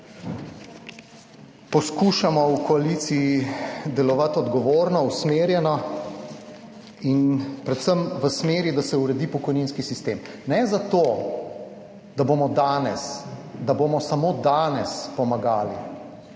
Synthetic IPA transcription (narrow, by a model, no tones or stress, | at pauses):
pɔskuːʃamɔwkɔalit̪siid̪ɛlɔʋat̪ɔd̪ɡɔʋoːɾnɔusmeːɾjɛnɔ | inpɾɛt̪səmʋəsmeːɾid̪asɛuɾɛd̪ipɔkɔjniːnskisist̪eːm | nɛzat̪o | d̪̥abomɔd̪anɛsd̪aboːmɔsamod̪aːnɛspɔmaɡaːli